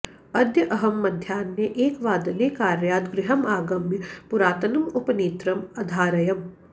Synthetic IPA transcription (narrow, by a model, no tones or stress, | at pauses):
ɐd̪jɐʔɐɦɐmːɐd̪ʱjaːnjeʔeːkʋaːd̪ɐleːkaːɾjaːt̪ɡɾɪɦɐmaːɡɐmjɐpuɾaːt̪ɐnɐmupɐneːt̪ɾɐmɐd̪ʱaːɾɐjɐm